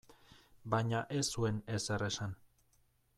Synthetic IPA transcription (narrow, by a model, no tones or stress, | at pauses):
baɲaʔe̞sue̞ne̞sere̞san